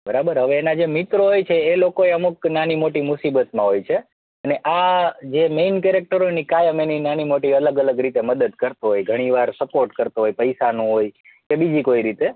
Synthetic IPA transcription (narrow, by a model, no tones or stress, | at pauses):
bəɾabəɾɦəʋeːnad͡ʒemɪt̪ɾoɦojt͡ʃʰeːlokoeəmuknanimoʈimusibət̪mãɦojt͡ʃʰe | əneʔad͡ʒemeinkɛɾek̚ʈəɾonikajəmeninanimoʈiələɡələɡɾit̪eməd̪əd̪kəɾt̪oɦojɡʱəɽ̃iʋaɾsəpoɾʈkəɾt̪oɦojpəjsanũɦoj | kebid͡ʒikoiɾit̪e